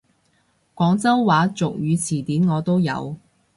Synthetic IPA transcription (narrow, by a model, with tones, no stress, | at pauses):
kʷɔː˨˥ŋt͡sɐ˥wwaː˨˥t͡sʊ˨k̚jyː˨˧t͡sʰiː˨˩t̪iː˨˥nŋɔː˨˧t̪o˥wjɐ̰˨˧w